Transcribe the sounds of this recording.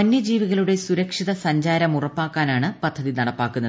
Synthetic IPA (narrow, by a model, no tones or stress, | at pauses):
ɐnjɐd͡ʑiːʋiɣɐɭuɽe̞suɾɐkʂiðɐsɐɲd͡ʑaːɾɐmurɐpːaːkːaːnaːɳɨpɐd̪ʱːɐðinɐɽɐpːaːkːunːɐð